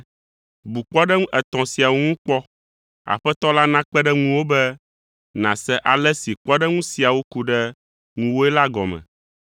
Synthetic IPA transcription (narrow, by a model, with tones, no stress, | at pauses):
bu˨k͡pɔ˦ɖɛ˦ŋũ˦ʔɛ˨t̪ɔ̃˨si˨a˨wo˦ŋũ˦k͡pɔ˦ | a̰˨ɸɛ˦t̪ɔ˦la˦nã˦k͡pɛ˦ɖɛ˦ŋũ˦wo˦bɛ˦ | nã˨sɛ˦ʔa˨lɛ˦si˨k͡pɔ˦ɖɛ˦ŋũ˦si˨a˨wo˦ku˦ɖɛ˦ | ŋũ˨wo˦ɛ˦la˦ɡɔ̰˨mɛ̰̃˨